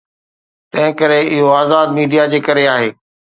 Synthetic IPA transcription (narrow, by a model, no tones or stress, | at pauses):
t̪ɐ̃ɦɪ̃kɐɾeɪɦoaːzaːd̪miːɖijad͡ʑeːkɐɾeaːɦeː